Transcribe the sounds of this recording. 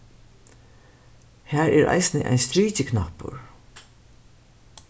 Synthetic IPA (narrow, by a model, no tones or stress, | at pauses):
hæːɹɛːɾʔa̰ɪsnəʔa̰ɪnst̪ɾiːcəkʰnapʊ̰ɹ